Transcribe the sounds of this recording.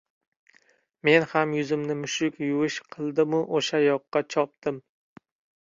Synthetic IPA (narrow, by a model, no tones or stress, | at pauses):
me̞nhamjʊzɪmnɪmʊʃʊkʲjʊwɪʃqʰɨlˠd̪ɪmʊʔoʃajɒqːɑt͡ʃʰɒp̚t̪ɪm